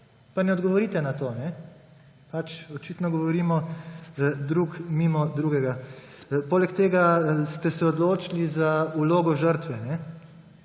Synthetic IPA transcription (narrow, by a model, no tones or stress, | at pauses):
panɛɔd̪ɡɔʋɔɾiːt̪ɛnat̪oːnɛ | pat͡ʃɔt͡ʃiːt̪nɔɡɔʋɔɾiːmɔ | d̪ɾukmiːmɔd̪ɾuːɡɛɡa | poːlɛkt̪eːɡast̪ɛsɛɔd̪loːt͡ʃilizauloːɡɔʒəɾt̪ʋɛnɛ